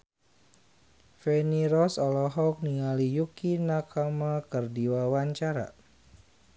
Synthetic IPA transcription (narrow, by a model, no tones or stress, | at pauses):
fɛniɾɔsɔlɔɦɔk̚niŋalijukinakamakərdiwawaɲt͡ʃaɾa̰